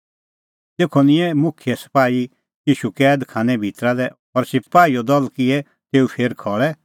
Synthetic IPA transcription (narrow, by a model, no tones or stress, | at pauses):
t̪eːkʰonɪ̃ɛmʊkʰɪjɛsɐ̥paːi | jiːʃukɛːd̪kʰãːnɛbʱit̪ɾad̪ɛ | ɔɾsɪpaːiɔd̪ɔlkɪɛ | t̪eːupʰeːɾkʰɔːɭɛ